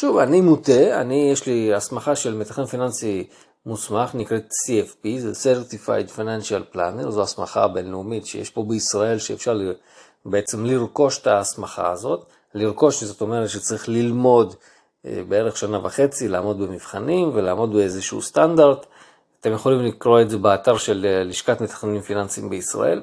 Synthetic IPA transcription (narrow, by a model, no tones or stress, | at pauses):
ʃuvanimut̪e̞a̰nijeʃliasmaχaʃe̞lmet̪aχemfinansi | musmaχnikʁet̪siefpizeseʁt̪ifa̰jdfajnanʃalpla̰neʁzoasma̰χa̰be̞nleumitʃejeʃpo̞beisʁae̞lʃeḛfʃaʁl | beet͡se̞mliʁko̞ʃt̪asmaχa̰azo̞t̪ | liʁko̞ʃzot̪o̞me̞ʁet̪ʃet͡saʁiχlilmo̞d̪̰ | beeʁe̞χʃanavaχe̞t͡silaːmo̞d̪bemiv̥χanimvelaːmo̞d̪beezeʃuṵstandaʁd | at̪e̞mje̞χo̞limlikʁo̞e̞dzebeataʁʃe̞lːiʃkatmet̪ḁχnenimfinansiimbeisʁa̰ʔe̞̰l